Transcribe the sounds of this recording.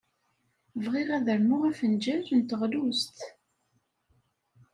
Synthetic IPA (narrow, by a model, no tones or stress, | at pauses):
vʁiʁæðəɾmʊʁæfənd͡ʒæɾənt̪əʁlust̪